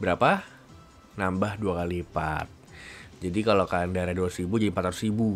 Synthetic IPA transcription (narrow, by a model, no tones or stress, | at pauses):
bəɾapa | nambahduakalipa̰t̪̚d͡ʒadikalokandaɾaduausibud͡ʒadimpat̪aɾusibu